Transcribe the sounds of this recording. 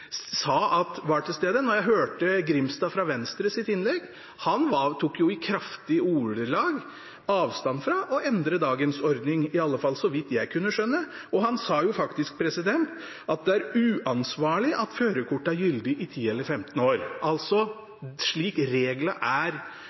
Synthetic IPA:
sɑːɑt̪ʋɑʈʰɪlst̪eːd̪ənɔɾjæɪɦøːʈəɡɾɪmst̪ɑːfɾɑʋɛnst̪ɾəsɪt̪ɪnlɛɡ | hɑnʋɑt̪ʰuːkːjʊɪkʰɾɑft̪ɪuːɖəlɑːɡ | ɑːʋst̪ɑnfɾɑʔɔɛnd̪ɾəd̪ɑːɡənsɔɾd̪nɪŋɪɑlːəfɑlːsɔʋɪt̪ːjæɪkʰʉnːəʂœnːə | ɔɦɑnsɑːjʊfɑkt̪ɪsk̚pʰɾɛsɪd̪ɛnt̪ | ʔɑt̪̚d̪ɛæɾʉːʔɑnsʋɑːɭɪʔɑt̪føːɾəkʊʈːɑæɾjʏld̪ɪʔɪt̪ʰiːɛlːəɾfɛmt̪ən̩oːɾʔɑlt̪sɔ | ʂɭiːkɾeːɡlɑʔæɾ

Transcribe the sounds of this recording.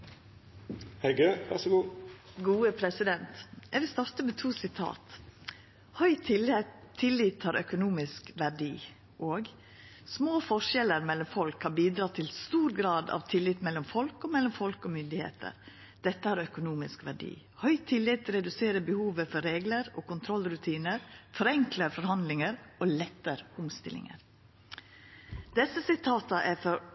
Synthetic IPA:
hɛɡøʋæ̰ʂɔɡuːɡuːəpʰɾɛsɪd̪ɛnt̪ɛʋɪlst̪ɑɾt̪əmɛt̪ʰuːsɪt̪ʰɑ̰ːt̪ | hœʏt̪ʰl | t̪ʰːɪlɪt̪hɑːɾʔœkʊnuːmɪskʋæɖḭː | ʔoːɡ | smoːfɔʂɛləɾmɛlːɔmfɔlkhɑɾbiːd̪ɾɑːt̪ʰɪlst̪uːɾɡɾɑːd̪ɑ̰ʋt̪ʰɪlɪt̪mɛlːɔmfɔlkɔmɛlːɔmfɔlkɔmʏnd̪ɪhḛːt̪ʰə̰ɾ | d̪̥ɛt̪ːəhɑːɾœkʊnuːmɪskʋæɖḭː | hœʏt̪ʰɪlɪt̪ɾɛd̪ʉseːɾəbəhuːʋəfɔɾeːɡləɾoːkʊnt̪ʰɾɔlɾʉt̪ʰiːnəɾfɔɾɛŋkləfɔɾhɑnd̪lɪŋəɾoːlɛt̪ːəɾʊmst̪ɪ̰lɪ̰ŋə̰ɾ | d̪̥ɛsəsɪt̪ʰɑːt̪əʔæfɔɾ

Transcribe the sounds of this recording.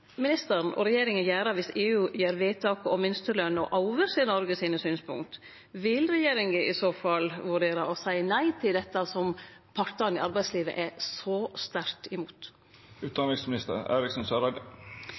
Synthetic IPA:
mɪnɪst̪əɾnɔ̰ɾɛjeːɾɪŋənjæːɾɑʋɪseːʉːjeːɾʋeːt̪ʰɑːkəɔmɪnst̪əlœnəɔʔɑʊʋəɾseːnɔɾɡəsiːnəsyːnspʰʊ̰ŋkt̪ | ʋɪlɾɛjeːɾɪŋɡəʔɪsoːfɑlːʋʉɖeːɾɑʔɔsæɪnæɪt̪ʰɪld̪ɛt̪ːɑsɔmpʰɑɾʈ̪ɑnɪɑɾbæɪsliːʋə̰ʔɛsɔst̪æɾt̪ɪmuːt̪ | ʉːt̪d̪ɑnɪŋsmɪnɪst̪ə̰ɾḛːɾɪksɔnsøɾɑːd̪

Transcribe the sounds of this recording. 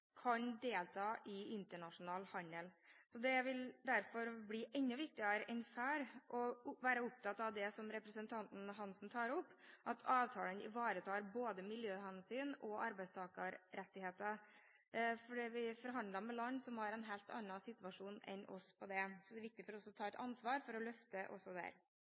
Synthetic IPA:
kʰɑnd̪eːlt̪ʰɑːʔɪɪnt̪əɳɑʂʊnɑːlhɑnəlsɔd̪ɛʋɪld̪æɾfɔɾblɪʔɛnːʉʋɪk̚t̪ɪəɾəʔɛnfæːɾʔɔʋæːɾəʊp̚t̪ʰɑt̪ːɑʋd̪ɛsɔmɾɛpɾəsənt̪ʰɑnt̪n̩ɦɑnsn̩t̪ʰɑːɾɔpːʔɑt̪ʰɑːʋt̪ʰɑːlənɪ̰ʋɑːɾət̪ʰɑːɾboːd̪əmɪljøːhɛnsyːnɔʔɑɾbæɪst̪ʰɑːkɑɾɾɛt̪ːɪheːt̪ə | fɔɖiʋɪfɔɾɦɑnd̪lɑmɛlɑnːsɔmhɑɾɛnɦɛlt̪ɑ̰nːɑsɪt̪ʉʋɑʂuːnɛ̰nɔ̰spʰɔd̪ɛsɔd̪ɛɾʋɪk̚t̪ɪfɔɾɔsɔt̪ʰɑːɛt̪ɑnsʋɑːɾfɔɾɔlœft̪əʔɔ̰sːɔd̪æ̰ɾ

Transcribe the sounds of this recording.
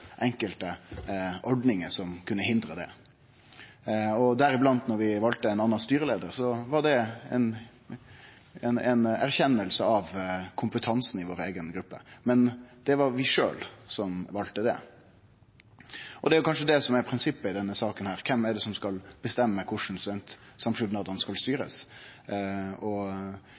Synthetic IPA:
ʔɛŋkəlt̪əʔɔɖnɪŋəsɔmkʰʉnːəhɪnd̪ɾəd̪ɛ̰ | ɔd̪æɾɪblɑnt̪nɔɾʋɪʋɑlt̪əɛɪnɑnːɑnst̪yːɾəleːd̪əɾsɔʋɑɖɛɛ̰n | ɛnɛnæɾçɛnːəlsəɑʋkʰʊmpət̪ʰɑnsnɪʋoːɾeːɡənɡɾʉpːə̰mɛnd̪̥ɛʋɑɾʋɪʂø̰ːlsɔmʋɑlt̪əd̪ɛ̰ | ʔɔd̪ɛæɾjʊkʰɑnʂəd̪ɛsɔmæɾpʰɾɪnsɪpːəɪd̪ɛnːəsɑːkənhæːɾkʰɛmːæɖ̪ɛsɔmskɑlb̥əst̪ɛmːəkʰʊʂn̩sɛnt̪ | sɑmʂʏd̪nɑd̪ənskɑlst̪yːɾə̰s | ɔ

